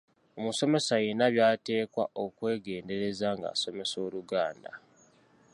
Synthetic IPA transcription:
o̞muso̞me̞sajenaβjaːte̞ːkwa̰ʔo̞kwe̞ːɡe̞ːnde̞ɾe̞zaŋɡa̰ːso̞me̞so̞ːluɡaːnda̰

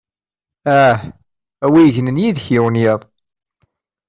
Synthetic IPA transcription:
æh | æwijəʝənənjiðçɪwənjɪðˤ

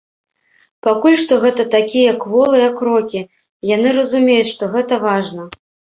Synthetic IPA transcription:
pakulʲʂt̪ɔɣɛt̪ɐt̪akʲijɐkvɔlˠɨjɐkːɾɔkʲi | janɨɾɐzumʲejut͡sʲʂt̪ɔɣɛt̪ɐvaʐnɐ

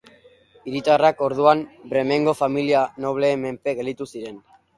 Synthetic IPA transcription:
iɾit̪arako̞ɾð̞uambɾe̞me̞ŋɡo̞familiano̞βle̞ːme̞mpe̞ɣe̞lit̪usiɾe̞n

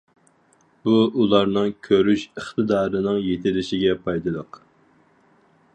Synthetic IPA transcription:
b̥uʔulˠɑɾnɨŋkʲʰøɾyʃəχt̪ʰɨd̪ɑːɾɨnɨŋjet̪ʰɪlɪʃɪɡʲɛpʰɑjd̪ɨd̪əq

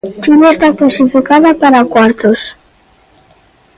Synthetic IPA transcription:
t͡ʃinaest̪aklasifikaðapaɾakwaɾt̪os

